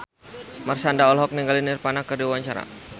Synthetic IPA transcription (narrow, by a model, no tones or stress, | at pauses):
marsandaɔlɦɔk̚niŋɡalinɪrpanakərdiwaɲt͡ʃaɾa̰